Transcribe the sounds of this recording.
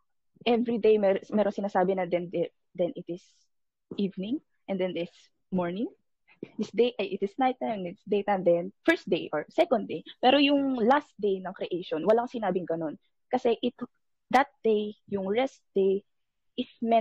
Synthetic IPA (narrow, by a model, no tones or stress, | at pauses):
ʔɛvɹid̪ejmɛmɛːɾoŋsɪnaːsaːbɪnɐd̪ɛnd̪ɛ | d̪ɛnʔɪt̪ɪs | ʔivnɪ̃ŋ | ʔɛnd̪ɛnd̪ɪs | mɔɹnɪŋ | d̪ɪsd̪ejʔɐjʔɪt̪ɪsnajt̪̚ːanɪt̪sd̪ejt̪and̪ɛnfɛɹst̪̚d̪ejʔoɹsɛkond̪̚ejpɛːɾojʊŋlast̪̚d̪ejnɐŋkɾɛʔejʃonwɐlaŋsɪnaːbɪŋɡɐno̞n | kɐsɛʔɪt̪ʊk̚ | d̪ɐt̪̚d̪̥ejjʊŋɹɛst̪̚d̪̥ej | ʔɪfmɛ